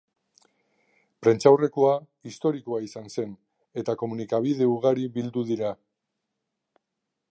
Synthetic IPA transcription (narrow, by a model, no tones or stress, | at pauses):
pɾe̞nt͡ʃawre̞koa | ist̪o̞ɾikoaisanse̞n | e̞t̪ako̞munikaβ̞ið̞e̞uɣ̞aɾiβild̪uðiɾa